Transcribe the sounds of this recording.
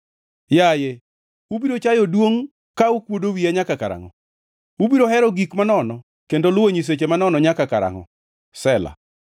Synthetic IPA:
jaje | ubiɾot͡ʃajɔdwoŋ | kaukwodowiaɲakakaɾa̰ŋɔ̰ | ubiɾohɛɾɔɡikmanɔnɔ | kendolʊwoɲis̬et͡ʃemanɔnɔɲakakaɾa̰ŋɔ̰ | sɛla̰

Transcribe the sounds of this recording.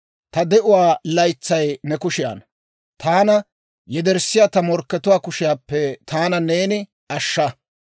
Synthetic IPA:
t̪ɐd̪ɛʔʊwaːlɐjt͡sːɐjnɛkʊʃɪja̰ːn | t̪aːnɐ | jɛd̪ɛɾsːɪjaːt̪ɐmɔɾkːɛt̪ʊwaːkʊʃɪjaːpːɛt̪aːnɐne̞ːnɪ | ɐʃːɐ

